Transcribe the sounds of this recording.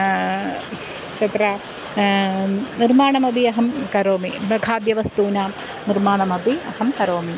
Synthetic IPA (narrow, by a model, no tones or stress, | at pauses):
t͡ɕɐt̪ɾɐ | nirmaːɳɐmɐbʱiɐɦɐmkɐɾoːmiɡʰʱaːd̪jɐʋɐst̪uːnaː | nirmaːɳɐmɐbʱiɐhɐmkɐɾoːmi